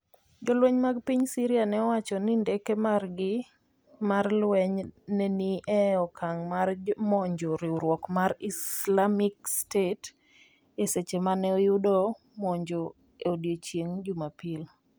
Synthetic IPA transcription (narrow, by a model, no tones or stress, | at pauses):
d͡ʒɔlwɛɲmaɡpiɲsiɾianɛɔwat͡ʃɔnindɛkemarɡɪ | marlwɛɲnɛniʔɛɔkʰaŋmarmɔɲd͡ʒoɾiuɾwɔkmarislamikstet | eset͡ʃemanɛɔjudo | mɔɲd͡ʒo | eodiot͡ʃjeŋd͡ʒumapil